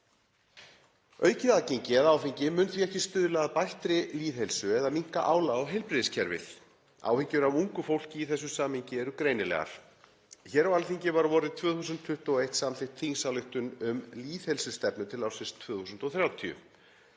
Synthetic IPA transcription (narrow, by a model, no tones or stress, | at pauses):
œːɥcɪðacejɲcɪɛðaːwfiɲcɪmʏnθviɛhcɪst̪ʏːðʏlaːðpajht̪ɾɪliːðhɛlsʏɛðamiŋ̥kaʔaːwlaɔɦejlpɾɪðɪscʰɛɾvɪ̰l | a̰ːwhɪɲcʏɾavuŋkʏfowl̥cɪiθɛs̬ːʏsaːmhiɲcɪɛɾʏkɾejnɪlɛ̰ɣa̰ɾ̥ | çɛːɾawalfiɲcɪvaɾvɔːɾɪðt̪ʰvœːθus̬ʏnt̪ʰʏht̪uɔejht̪samlɪht̪ʰθiŋsawlʏht̪ʏnʏmliːθhelsʏst̪ɛpnʏt̪ʰɪlawsɪst̪ʰvːθusʏnt̪ɔθɾjaːwt̪ʰiʏ̰